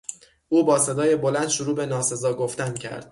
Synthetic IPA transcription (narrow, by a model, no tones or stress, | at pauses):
ʔuːbɒːse̞d̪ɒːje̞bolænd̪̥ʃoɾuːbe̞nɒːse̞zɒːɡoft̪æncʰæ̰ɾd̪̥̚